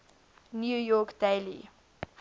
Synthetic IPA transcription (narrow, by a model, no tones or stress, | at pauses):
njujɔkd̥eɪlḭ